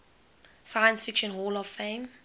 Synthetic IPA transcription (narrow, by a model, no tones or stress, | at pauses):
sajə̃nsfɪkʃə̃nɦɔːlɔvfẽɪm